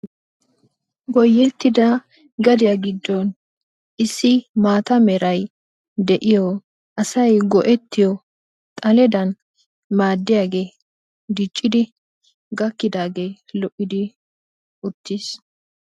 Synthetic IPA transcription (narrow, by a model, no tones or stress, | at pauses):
ɡɔjːɛt̪ːɪd̪ɐ | ɡɐd̪ɪjɐɡɪd̪ːɔn | ʔɪsːɪmaːt̪ɐmɛɾɐj | d̪ɛʔɪjɔ | ʔɐsɐjɡɔʔɛt̪ːɪjɔ | t̪ʼɐlɛd̪ɐn | maːd̪ːɪjaːɡe̞ː | d̪ɪt͡ʃʼːɪd̪ɪ | ɡɐkːɪd̪aːɡe̞ːlɔʔɪd̪ɪ | ʊt̪ːiːs